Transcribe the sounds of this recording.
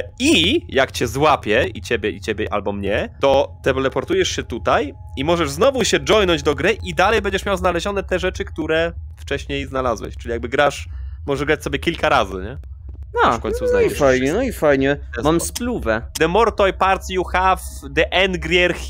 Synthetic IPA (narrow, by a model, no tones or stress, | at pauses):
ijakt͡ɕɛzwapʲjɛḭt͡ɕebʲjɛʔit͡ɕebʲjɛʔa̰lbɔmɲɛt̪ɔt̪ɛplɛpɔɾt̪ujɛʂɕɛt̪ut̪aj | imɔʐɛʐznɔvuɕɛd͡ʐɔjnɔɲd͡ʑd̪ɔɡɾɘʔid̪alɛjbɛɲd͡ʑɛʂmʲjawznalɛʑɔnɛt̪ɛʐɛt͡ʂɘkt̪uɾɛft͡ʂɛɕɲejznalazwɛ̰ɕt͡ʂɘlʲijaɡ̚bɘɡɾaʂmɔʐɛʐɡɾat͡ɕsɔbʲjɛkʲilkaɾazɘ̰ɲɛ | afkɔɲsuvznajiɛfajɲɛnɔifajɲɛɛmamspluvɛd̪ɛmɔɾt̪ɔjpaɾt̪sjuxafd̪ɛʔɛnɡɾʲjɛɾxʲ